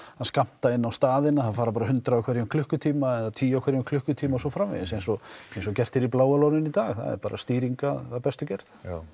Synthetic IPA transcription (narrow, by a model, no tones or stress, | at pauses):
aðskam̥t̪aɪnːawst̪aːðɪnaθaðfaːɾapaːɾaɦʏnt̪ɾaawkʰvɛɾjamkʰlʏhkʏt̪ʰiːmaɛnaðt̪ʰiːjawkʰvɛɾjakʰlʏhkʏt̪ʰiːmaɔsɔfɾamvɛ̰ðɪsejnsɔejnsɔcɛr̥t̪ɪɾiplaːwalownɪnit̪aːɣθa̰ðɛ̰ɾpaːɾa̰st̪iːɾiŋkaapɛst̪ʏcɛɾð